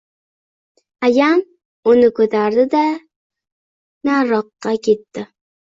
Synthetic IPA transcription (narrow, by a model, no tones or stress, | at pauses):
ajam | ʊnɪkʰɵt̪ʰaɾd̪ɪd̪a | naɾɒqːɑkʲʰe̞t̪ːɪ